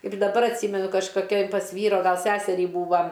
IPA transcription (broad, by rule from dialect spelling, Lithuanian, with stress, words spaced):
ɪr dɐˈbɐr ɐtʲˈsʲiːmʲɛnʊ kɐʃkoːˈkʲoːj pɐs ˈʋʲiːroː ˈɡɐlˠ ˈsʲæːsʲɛrʲiː ˈbuːʋɐ